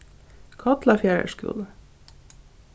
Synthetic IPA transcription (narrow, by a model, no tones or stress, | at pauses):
kʰɑt̪lɑfjæːɹə̰ʃkʉ̰l